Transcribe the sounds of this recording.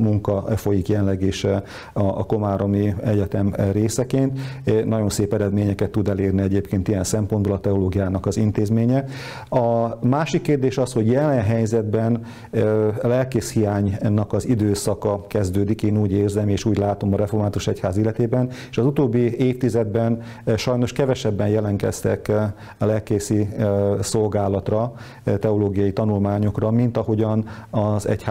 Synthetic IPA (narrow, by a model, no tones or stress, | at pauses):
muŋkɒfo̞jikjɛnlːɛɡeːʃ | ɒ̰ːko̞maːɾo̞miɛɟɛt̪ɛmɾeːsɛkeːnt̪nɒɟo̞nseːpɛɾɛd̪meːɲɛkɛt̪ːud̪ɛleːrniɛɟeːpkeːnt̪ijɛnsɛmpond̪bolɒt̪ɛoloːɡijaːnɒkɒzint̪eːzmeːɲɛ | ɒmaːʃikːeːrd̪eːʃɒsho̞ɟjɛlɛnɦɛjzɛd̪bɛn | lɛlkeːʃhijaːɲnɒkɒzid̪øːsɒkɒkɛzd̪øːd̪ikeːnuːɟeːrzɛmeːʃuːɟlaːt̪o̞mɒɾɛformaːt̪uʃɛchaːzilːɛt̪eːbɛneʃɒzut̪oːbːieːft̪izɛd̪bɛn | ʃɒjno̞ʃkɛvɛʃɛbːɛnjɛlɛŋkɛ̰st̪ɛ̰k | lɛlkeːsiso̞lɡaːlɒt̪rɒ | t̪ɛoloːɡijɒjit̪ɒnulmaːɲo̞krɒmint̪ɒho̞ɟɒnɒzɛ̰cha